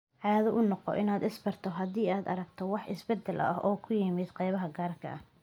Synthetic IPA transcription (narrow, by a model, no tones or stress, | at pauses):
ʕɑːðɔʔʊnɔqɔ̰ʔɪnaːd̪ɪsbɐrt̪ʰɔɦɐðiːaːd̪ɐ̰ɾɐɡt̪ʰɔwɑħɪsbɛd̪ːɛlʔɐ̰ɦɔːkʰʊjɪmɪd̪qɑjβɐɦɐɡaːrkʰɐ̰ɐ